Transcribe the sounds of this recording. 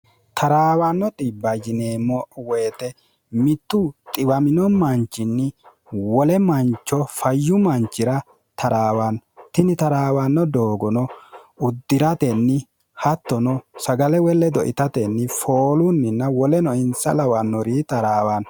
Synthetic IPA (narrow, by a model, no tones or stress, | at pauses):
t̪ʰɐɾaːwanːɔt̪ʼɪbːɐd͡ʒɪneːmɔʔwɛːt̪ɛ | mɪt̪ːʊt̪ʼɪbɐmɪnɔmɐnt͡ʃːɪnːɪ | wɔlɛmɐnt͡ʃːɔfɐjːʊmɐnt͡ʃːɪɾɐ | t̪ʰɐɾaːwant̪ɪnɪt̪ɐɾaːwanːɔd̪oːɡɔnɔʊd̪ːɪɾɐt̪ɛnːɪ | hɐt̪ːɔnɔsɐɡɐlɛwɛlːɛd̪ɔʔɪt̪ɐt̪ɛnːɪfoːlʊnːɪnːɐwɔlɛnɔɪnsɐlɐwanːɔɾiːt̪ɐɾaːwan